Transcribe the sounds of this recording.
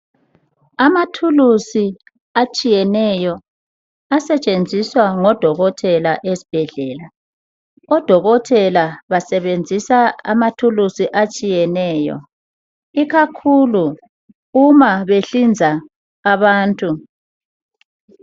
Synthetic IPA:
amatʰulusi | at͡ʃʼijɛnɛjɔ | asɛt͡ʃʼend͡zʱiswaŋɔd̥ʱɔɣɔtʰɛlaʔesi̥b̥ʱɛɮɛːla | ɔd̥ʱɔɣɔtʰɛlaβasɛβend͡zʱisaa̰matʰulusiʔat͡ʃʼijɛnɛːjɔ̰ | iɣakʰuluː | maβeɬind͡zʱaː | βaːntʼu

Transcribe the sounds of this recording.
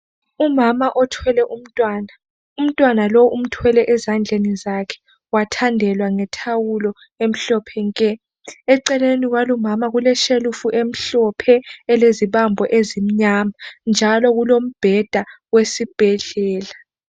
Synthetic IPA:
umamaʔɔtʰwɛlɛʔum̩tʼwaːna | um̩tʼwanaloʔum̩tʰwɛlɛʔɛzand͡ɮʱenizakʰɛ̥ | watʰandʱɛlwaŋɛtʰawulɔ | em̩ɬɔpʰɛŋkʼɛ | ɛǀɛleniɣwalumamaɣulɛʃelufuʔem̩ɬɔpʰɛːleziɓambʱɔʔezim̩ɲamand͡ʒʱalɔɣulom̩b̥ʱɛd̥ʱa | wesib̥ʱɛɮɛːla

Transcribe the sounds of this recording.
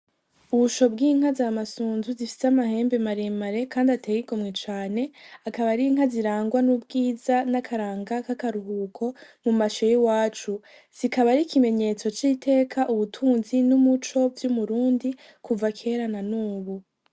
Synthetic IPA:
uβuʃo̞bɡiːŋ̥hazamasuːnzuzifi̥seamahe̞ːmbe̞maɾemaɾe̞kaːndateɡiɡomŋet͡ʃaːne̞akaβaɾiŋ̥aziɾaːŋɡwanubɡiːzanakʰaɾaːŋɡakakaɾuɦuːkʰo̞mumaʃejiwaːt͡ʃu | z̥ikaβaɾikime̞ɲe̞t͡so̞t͡ʃite̞ːkʰaʔuβutʰuːnzinumut͡ʃo̞bjumuɾuːndi | kuvakʰe̞ɾananuːβu

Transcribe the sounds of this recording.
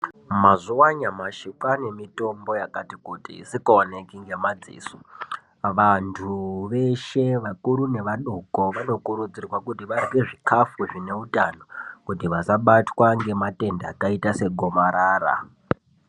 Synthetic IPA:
mazuwaɲamaʃikane̞mito̞mbo̞jakatikutḭsikoonekiŋɡe̞mad͡zḭːso̥ | ʋantʰuʋe̞ʃe̞ʋakuɾune̞ʋaɗokoʋano̞kuɾud͡zirwakutiʋariɡe̞ʐikʰafuʐine̞utano̞kutiʋasaɓatwaŋɡe̞mate̞ndaːkaitase̞ɡʱo̞maɾaːɾa̰

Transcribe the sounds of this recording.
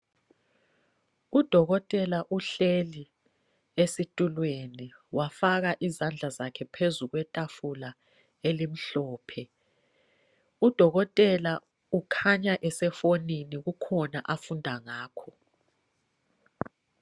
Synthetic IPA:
ud̥ʱɔɣɔtʼɛlaʔuɬeli | esitʼulweniwafaɣaʔizand͡ɮʱazakʰɛpʰezuɣwɛtʼafula | elim̩ɬɔːpʰɛ | ud̥ʱɔɣɔtʼɛla | ukʰaɲaʔɛsɛfoniniɣukʰɔnaʔafundʱaŋaːkʰɔ

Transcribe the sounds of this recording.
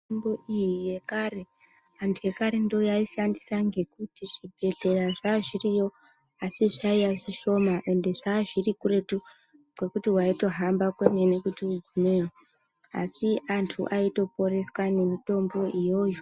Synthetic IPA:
mboijijekare̞ | antʰuje̞kaɾe̞ndo̞jaiʃandisaŋɡe̞kutiʐ̥ibʱe̞ɮe̞raʐaʐirijo̞ | asiʐaijaʐiʃo̞maʔe̞nde̞ʐaʐirikure̞tu | kwe̞kutiwaito̞ɦambakweme̞ne̞kutiuɡʱumewo | a̰siantʰṵʔaito̞po̞re̞swane̞mito̞mbo̞ʔijo̞ju

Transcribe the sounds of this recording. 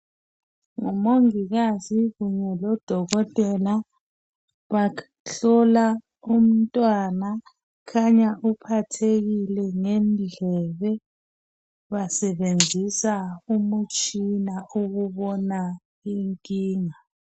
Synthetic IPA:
ŋɔmoŋiɣaziɣuɲɛlɔd̥ʱɔɣɔtʼɛla | βa | ɬɔla | um̩tʼwana | kʰaɲaʔupʰatʰeɣilɛŋɛmɮʱɛβɛ | βasɛɓend͡zʱisaumut͡ʃʰʼinauɣuβɔna | iŋkʼiːŋa

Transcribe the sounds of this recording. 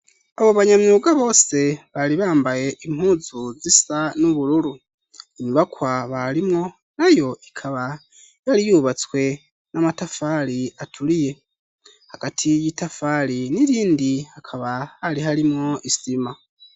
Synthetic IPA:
aβo̞βaɲamɲuːɡaβo̞ːse̞βaɾiβaːmbaje̞ʔim̥huːzuzisanuβuɾuɾu | iɲuβakwaβaɾimŋo̞ | najo̞ikʰaβa | jaɾijuːβat͡swe̞ | nʔamatafaɾiatʰulije̞ | haɡ̥atʰijitafaliniɾiːndihakʰaβahaliɦaɾimŋo̞isima

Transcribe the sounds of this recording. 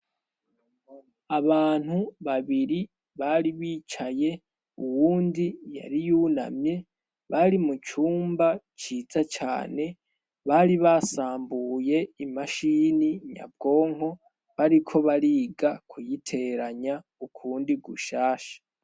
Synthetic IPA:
aβaːn̥huβaβiɾi | βaɾiβiːt͡ʃaje̞ | uwuːndija̰ɾijuna̰mje̞ | βaɾimut͡ʃuːmbat͡ʃizat͡ʃa̰ːne̞ | βaːɾiβasaːmbuje̞imaʃiːniɲa̰b̚ɡo̞ːŋho̞ | βaɾikʰo̞βaɾiːɡakʰujitʰeɾaɲa | ukʰuːndiɡuʃaːʃḁ

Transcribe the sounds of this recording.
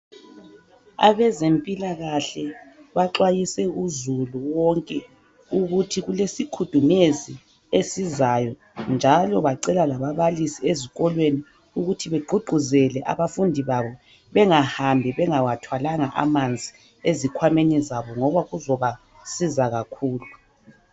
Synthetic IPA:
a̰βɛzempʼilaɣaɬɛβaǁwajisɛuzuluwɔŋkʼɛ | uɣutʰiɣulesikʰud̥ʱumezi | esizajɔ | nd͡ʒʱalɔβaǀɛlalaβaβalisieziɣɔlweni | uɣutʰiβeɡ͡ǃʱuɡ͡ǃʱuzɛlɛʔa̰βafundʱiβaβɔ | βɛŋahambʱiβɛŋawatʰwalaŋaʔa̰mand͡zʱi | ezikʰwamenizaβɔŋɔβaɣuzɔβa | sizaɣakʰuːlu

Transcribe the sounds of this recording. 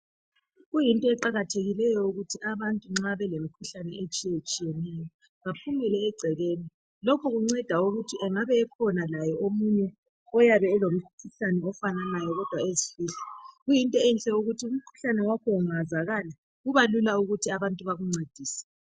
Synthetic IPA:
ɣujintʼɔɛǃaɣatʰeɣilɛjɔuɣutʰiʔaβantʼuŋ͡ǁaβɛlemikʰuɬanɛet͡ʃʼijet͡ʃʼijɛnɛjɔ | βapʰumɛlɛːɡ͡ǀʱɛɣeːni | lɔkʰɔɣuŋ͡ǀɛd̥ʱauɣutʰiʔɛŋaβɛːkʰɔnalajɛʔomuɲɛ | ɔjaβɛːlom̩kʰuɬanɛɔfananajɔɣɔd̥ʱwaezifiːɬḁɣujintʼɔɛnt͡ɬʼɛuɣutʰium̩kʰu̥ɬanɛwakʰɔuŋazaɣala | ɣuβalulauɣutʰiaβantʼuβaɣuŋ͡ǀad̥ʱiːsɛ̥

